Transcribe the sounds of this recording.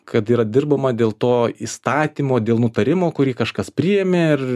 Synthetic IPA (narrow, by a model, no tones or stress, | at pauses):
kɐt̪iːɾɐd̪ʲɪrbɐmɐd̪ʲeːlˠt̪oːiːst̪ɑːt̪ʲiːmoːd̪ʲeːlˠnʊt̪ɐɾʲɪmoːkʊɾʲiːkɐʃkɐspʲɾʲɪjeːmʲeɪr